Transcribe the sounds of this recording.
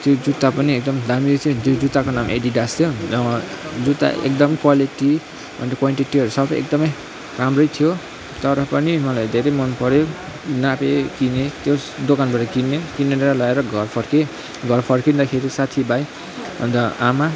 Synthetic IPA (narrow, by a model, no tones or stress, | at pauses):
t̪jod͡zut̪ːapʌniek̚d̪ʌmd̪ʱamiʌt̪ʰʌ̃d͡zod͡zut̪ːakonamʔḛɖiɖast̪ʰijo | d͡zut̪ːa̰ʔḛkd̪ʌmkwaliʈi | bʱʌ̰nʌkwanʈiʈiʌɾusʌbʌjʔḛk̚d̪ʌmʌj | ramrʌjt̪ʰijo | t̪ʌɾʌpʌnimʌlajd̪ʱeɾʌjmʌnpʌɾjo | napekinet̪jod̪okanbaɾʌkinekineɾʌlʌeɾʌɡʱʌrpʰʌrke | ɡʱʌrpʰʌrkind̪akʰeɾisat̪ʰibaj | bʌ̰nd̪ʌama